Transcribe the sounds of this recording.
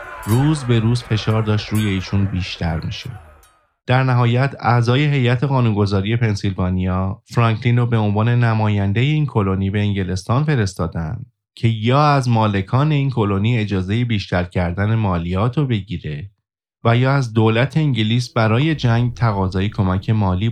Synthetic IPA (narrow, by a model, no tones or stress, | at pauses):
ɾuːzbe̞ɾuːzfe̞ʃɒːɾd̪ɒːʃt̪ɾuːje̞iːʃʰunbiːʃt̪ʰæ̰ɾmḭːʃḛ | d̪̥æɾnæɦɒːjæt̪ʰæzɒːje̞ɦe̞jæt̪ʰe̞ɣɒːnunɡo̞zɒːɾije̞pʰe̞nsilvɒːnijɒːfɾɒːŋkʰliːnɾobe̞o̞nvɒːne̞næmɒːjænd̪e̞jeiːnkʰo̞loniːbe̞ːŋɟe̞le̞st̪ɒːnfe̞ɾe̞st̪ɒːd̪æ̰nd̪̥ | cʰe̞jɒːæzmɒːle̞kʰɒːne̞iːnkʰo̞lo̞niːe̞d͡ʒɒːze̞jebiːʃt̪æɾcʰæɾd̪æne̞mɒːlijɒːt̪ʰobe̞ɟiːɾe̞ | væjɒːæzd̪olæt̪ʰe̞iɲɟiliːsbæɾɒːje̞d͡ʒæŋɡt̪ʰæɣɒːzɒːjekʰo̞mæcʰe̞mɒːliː